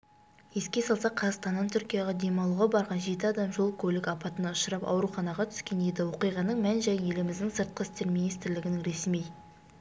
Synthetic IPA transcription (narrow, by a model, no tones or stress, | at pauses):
je̞skʲe̞sɑlˠsɑqʰːɑzst̪ɑnːɑnt̪ʰʏɾkʲijɑʁɑd̪e̞mɑlˠuʁɑbɑɾʁɑnʒe̞t̪ɪɑd̪ɑmʒo̞lˠkʲʰɵlɪkɑpɑt̪ənɑʊʃəɾɑpɑ̰wɾuχɑnɑʁɑt̪ʰʏ̥skʲe̞ned̪ɪwo̞qijʁɑnəɴmænʒæjje̞lɪmɪzd̪ɪŋsəɾt̪̚qəɪst̪e̞ɾmʲinijst̪ɾlɪɡʲɪnɪŋɾe̞smij